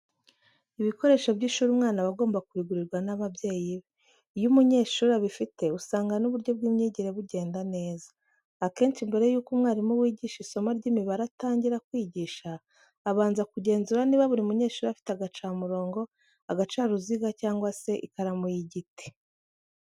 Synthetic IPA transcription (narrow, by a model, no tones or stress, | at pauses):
iβiko̞ɾe̞ːʃobɟiːʃuːɾumŋaːnaβaɡo̞ːmbakuɾiɡuɾiɾɡwanaβabje̞ːjiβe | jumuɲe̞ːʃuːɾaβifite̞usaːŋɡanuβuɾɟo̞b̚ɡiːmɲiːɟiɾe̞βuɟe̞ːndane̞ːzaː | ke̞ːnt͡ʃimbe̞ɾe̞juːkumŋaːɾimuwiːɟiːʃiso̞maɾɟimiβaɾataːɲɟiɾakwiːɟiːʃaː | βaːnzakuɟe̞ːnzuɾaniːβaβuɾiumuɲe̞ːʃuːɾafi̥teaɡat͡ʃaːmuɾo̞ːŋɡo̞ | aɡat͡ʃaɾuziɡacaːŋɡwase̞ʔikaɾamujiɟite̥